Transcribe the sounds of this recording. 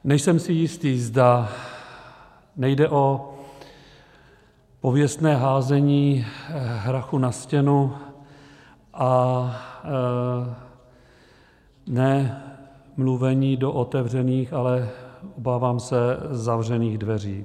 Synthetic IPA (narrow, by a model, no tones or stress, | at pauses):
nɛjsɛmsɪjɪst̪iːzda | nɛjdɛʔo̞ | po̞vjɛst̪nɛːɦaːzɛɲiː | ɦɾaxunascɛnu | ʔa | nɛ | mluvɛɲiːdo̞ʔot̪ɛvrɛniːxalɛʔobaːvaːmsɛzavr̝ɛniːɣdvɛr̝ḭː